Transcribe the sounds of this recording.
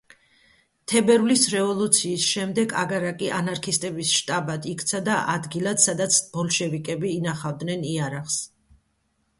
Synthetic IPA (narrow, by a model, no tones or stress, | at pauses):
t̪ʰɛbɛɾvlisɾɛvɔlˠut̪sʰiːsʃɛmd̪ɛɡa̰ɡaɾakʼiʔanaɾkʰist̪ʼɛbisʃt̪ʼabad̪ikʰt̪sʰad̪aʔad̪ɡilat̪sad̪at̪sʰb̥ɔlˠʃɛvikʼɛbiːnaχavd̪nɛniaɾaχs